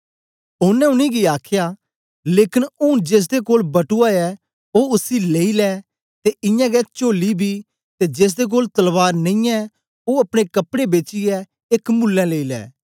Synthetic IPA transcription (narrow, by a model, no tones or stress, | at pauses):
ʊnːɛ̃ʊnĩɡiaːkʰjaː | leːkɪnʊnd͡ʒeːs̬d̪ekoːlbɐʈuaːɛː | oːʊsileːilɛː | t̪eʔɪ̃jãːɡɛt͡ʃoːlibʱiː | t̪ed͡ʒeːs̬d̪ek̬oːlt̪ɐlʋaːɾnɐ̃ĩɛ | oɐpɽ̃ekɐpɽebeːt͡ʃiɛ | ekmʊlːɛ̃ːleːiːlɛ̰ː